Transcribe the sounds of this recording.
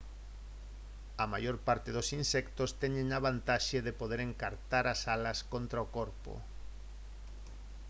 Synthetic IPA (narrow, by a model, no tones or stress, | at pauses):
ɐma̰joɾpaɾt̪eðosinsɛkt̪ost̪ɛɲẽŋaβant̪aʃeðepoðeɾeŋkaɾt̪aɾasalɐskont̪ɾaokoɾpo̰